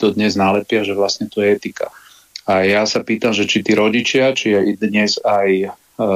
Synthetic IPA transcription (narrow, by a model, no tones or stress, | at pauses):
t̪ɔd̪ɲɛznaːlɛpɪaʒɛʋlast̪ɲɛt̪ɔjɛɛt̪ika̰ | ajasapiːt̪amʒɛt͡ʃit̪iːɾɔɟit͡ʃɪat͡ʃijɛid̪ɲɛzaj